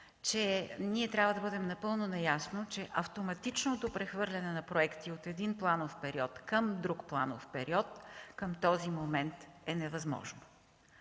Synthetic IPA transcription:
t͡ʃɛniɛt̪ɾʲabvəd̪ɐbɤd̪ɛmnɐpɤlˠnonɐjasnot͡ʃɛʔɐft̪omɐt̪it͡ʃnot̪opɾɛxvɤɾlʲɛnɛnɐpɾoɛkt̪iot̪ɛd̪inplˠanofpɛɾiɔt̪kəmd̪ɾukplˠa̰no̰fpɛɾiɔt̪kəmt̪ɔzimomɛnt̪ɛnɛvɐzmɔ̰ʒno

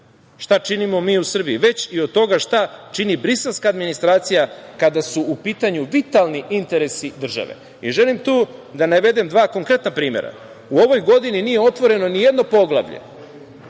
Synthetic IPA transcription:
ʃt̪at͡ʃinimo̞miːusr̩bijiʋe̞t͡ɕiod̪̚t̪o̞ɡaʃt̪at͡ʃinibɾise̞lskaːd̪minist̪ɾaːt̪sijakad̪asuːpiːt̪aɲuʋit̪alˠniʔint̪e̞ɾe̞sid̪r̩ʒa̰ʋe̞̰ | iʒe̞limt̪uːd̪anaʋe̞d̪e̞md̪ʋaːko̞ŋkɾe̞t̪napɾiːmḛɾa̰ | uo̞ʋo̞jɡo̞d̪ininije̞o̞t̪ʋo̞ɾe̞no̞nije̞d̪no̞po̞ɡlˠa̰ʋʎḛ

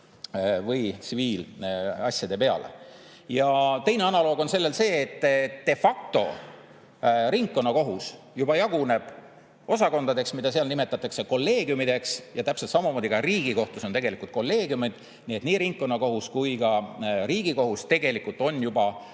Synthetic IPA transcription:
vɯjsiviːlɑsʲjɑd̪e̞pe̞ɑ̰le̞̰ | jɑt̪e̞jneɑnɑlo̞ːɡo̞nse̞lːe̞lse̞ːt̪ːt̪d̪̥e̞fɑk̚t̪o̞̰ | ɾiŋkːo̞nːɑko̞ɦus | jubɑjɑɡune̞b̥ | o̞sɑko̞nd̪̥ɑd̪e̞ksmid̪̥ɑseɑlnime̞t̪ːˑɑt̪ːˑɑkse̞ko̞lːe̞ːɡ̥ijumid̪e̞ksjɑt̪æpselt̪sɑmɑmo̞ːd̪ikɑriːɡ̥iko̞ht̪uso̞nt̪e̞ɡe̞likˑult̪̚ko̞lːe̞ːɡjumid̪̥ | niet̪ˑniːɾiŋkːˑo̞nːɑko̞ɦuskujɡɑɾiːɡ̥iko̞ɦust̪e̞ɡ̥e̞likːult̪ːˑo̞njubɑ

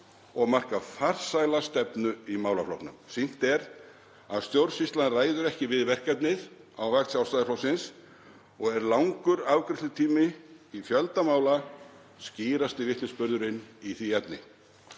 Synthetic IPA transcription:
ɔɣmar̥kafar̥sajlast̪ɛpnʏimaːwlaflo̰wknʏ̰msin̥t̪ɛɾ | aðst̪jowɾsist̪lanraːjðʏɾɛhcɪvɪðvɛr̥kɛpnɪð | awvakt̪sjawsajðɪflowsɪns | ɔɣɛɾlawŋkʏɾawkɾɪht̪lʏt̪ʰiːmɪifjœlt̪amaːwla | sciːɾast̪ɪvɪht̪nɪspʏɾðʏɾɪnːiθiɛpnɪ

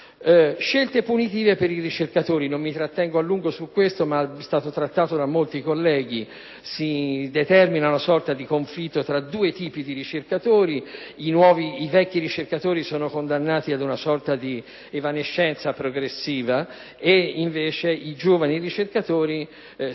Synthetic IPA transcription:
ʃelt̪epunit̪iːvepeɾirit͡ʃerkat̪oːɾinomːit̪ɾat̪ːɛŋɡoalːuŋɡosukːwest̪omast̪aːt̪ot̪ɾat̪ːaːt̪od̪amːolt̪ikolːɛːɡi | sid̪et̪ɛrminaunasɔrt̪ad̪ikoɱflit̪ːot̪ɾad̪uːet̪iːpid̪iɾit͡ʃerkat̪oːɾi | inwɔːviivɛkːiɾit͡ʃerkat̪oːɾisɔːnokond̪anːaːt̪iad̪unasɔrt̪ad̪i | evaneʃːɛnt̪sapɾoɡɾesːiːva | eiɱveːt͡ʃeid͡ʒoːvaniɾit͡ʃerkat̪oːɾi

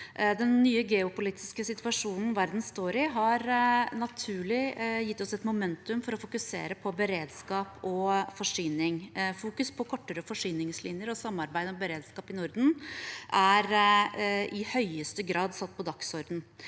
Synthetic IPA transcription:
d̪ɛnːyːəɡɛʊpʊliːt̪ʰɪ̥skəsɪt̪ʋɑʂuːnn̩ʋæɾd̪n̩st̪oːɾɪɦɑɾnɑt̪ʰʉːɭɪjɪt̪ːɔsɛt̪mʊmɛnt̪ʉmfɔɾɔfʊkʉsḛːɾəpʰɔbəɾeːd̪skɑːpɔfɔʂyːnɪŋfuːkʉspʰɔkʰɔʈːəɾəfɔʂyːnɪŋslɪnjəɾɔsɑmːɑɾbæɪd̪mɛbəɾeːd̪skɑːpɪnʊɾd̪n̩ʔæɾ | ʔɪhœʏəst̪əɡɾɑːd̪sɑt̪ːpʰɔd̪ɑksɔɾd̪n̩

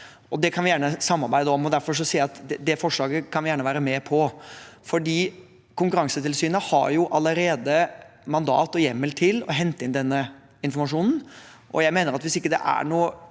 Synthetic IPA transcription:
ɔd̪ɛkʰɑnʋɪjæːɳəsɑmːɑɾbæɪd̪əɔmːɔd̪æɾfɔʂ̬ɔsiːɑt̪d̪ɛfɔʂɭɑːɡəkʰɑnʋɪjæːɳəʋæːɾəmɛpʰɔfɔɖiː | kʊŋkʉɾɑŋsət̪ʰɪlsyːnəhɑ̰ɾjʊʔɑlːəɾeːd̪əmɑnd̪ɑ̰ːt̪ɔjɛmːəlt̪ʰɪlɔ̰ɦɛnt̪əɪnd̪ɛnːə | ɪnfɔɾmɑʂuːnn̩ | ʔɔ̰jæɪmeːnəɾɑt̪ʋɪsɪkːəd̪ɛ̰ʔæ̰ɳuː

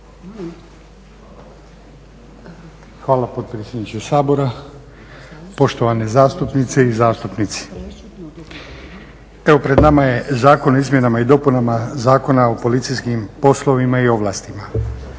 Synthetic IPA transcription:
xʋaːlˠapo̞d̪̚pɾeːsʲjed̪nit͡ʃusaːbo̞ɾa | po̞ʃt̪o̞ʋanezaːst̪upnit̪seizaːst̪upnit̪si̥ | e̞ʋopɾe̞d̪namaje̞zaːkonoizmjenamaid̪o̞punamazaːko̞nao̞po̞lit̪sijskimpo̞slˠo̞ʋimaio̞ʋlˠaːst̪ima

